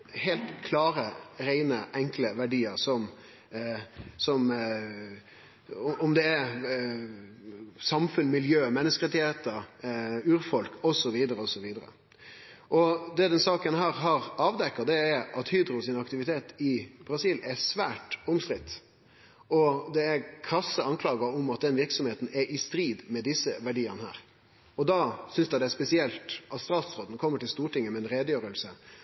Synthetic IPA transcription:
hɛlt̪kʰlɑːɾəɾæɪnəʔɛŋkləʋæɖiːəɾsɔm | sɔm | ɔɔmd̪ɛæ | sɑmfʉnmɪljøːmɛnːəskəʁɛt̪ɪheːt̪əɾʉːɾfɔlkʰɔsɔʋiːd̪əɾəɔsɔʋiːd̪əɾə̰ | ʔɔd̪ɛd̪ɛnsɑːkənɦæːɾɦɑʁɑːʋd̪ɛkːɑd̪ɛæɾɑt̪hyːd̪ɾʊsɪnɑkt̪ɪʋɪt̪ʰeːt̪ɪb̥ɾɑsiːlæsʋæːʈʊmst̪ɾɪt̪ː | ɔd̪ɛækʰɾɑsːəɑŋkʰlɑːɡɑɔmɑt̪̚d̪ɛnʋɪɾksɔmheːt̪n̩ɛʔɪst̪ɾiːd̪mɛd̪ɪsːəʋæɖiːənəhæ̰ːɾ | ɔd̪ɑːsʏnsd̪æɪd̪ɛæspɛsɪɛlt̪ɑt̪st̪ɾɑːt̪sɾoːd̪nkʰɔmːəʈɪlst̪uːʈɪŋːəmɛnɾeːd̪əjøːɾəlsə

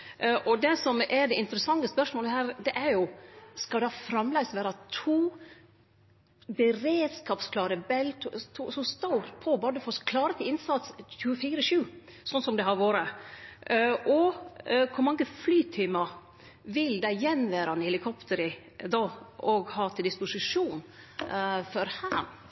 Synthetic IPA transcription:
ʔɔd̪ɛsɔmɛɖ̪ɛɪnt̪əɾəsɑŋːəspœʂmoːləhæːɾd̪ɛʔæɾjʊskɑlɑfɾɑmlɛɡst̪ʋæːɾɑt̪ʰuː | bəɾeːd̪skɑːpskʰlɑːɾəbɛlt̪ʰt̪ʰuːsɔst̪ɑʊpʰɔbɑːd̪əfɔskʰlɑːɾət̪ʰɪlɪnsɑt̪sɕʉəfiːɾəʃʉːsɔnːsɔmd̪ɛhɑɾʋoːɾə | ʔɔkʰʊɾmɑŋɡəflyːt̪ʰiːmɑ | ʋɪld̪æɪjɛnːʋæːɾɑɛnhɛlɪkʰɔpt̪əɾɪ | d̪ɑːʔɔɡhɑːt̪ʰɪld̪ɪspʊsɪʂuːn | fɔɾhæːn

